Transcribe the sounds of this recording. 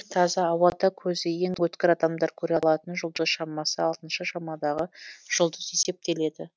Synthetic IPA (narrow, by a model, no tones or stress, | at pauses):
t̪ʰɑzɑːwɑd̪ɑkʲʰɵzɪjeŋwɵt̪kʲɪɾɑd̪ɑmd̪ɑɾkʲʰɵɾeɑlˠɑt̪ənʒʊlˠd̪əzʃɑmɑsəɑlˠt̪ənʃəʃɑmɑd̪ɑʁəʒ̥ʊlˠd̪əze̞se̞p̚t̪e̞le̞d̪ɪ